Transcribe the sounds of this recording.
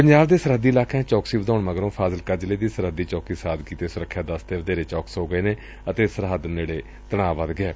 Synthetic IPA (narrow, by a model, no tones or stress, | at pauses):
pəɲd͡ʒaːbd̪eːsəɾɦəd̪ːiːlaːkãːt͡ʃɔːksiːʋəd̪aːɳməɡɾõːpʰaːzəlkəɾd͡ʒəleːd̪iːsəɾəd̪iːt͡ʃɔːkiːsaːd̪kiːt̪eːsʊɾəkʰːjãːd̪əst̪eːʋəd̪eːɾeːt͡ʃɔːksɦoːɡəeːneː | ət̪eːsəɾɦəd̪neːɽeː | t̪əɽ̃aːʋəd̪ɡɪɛː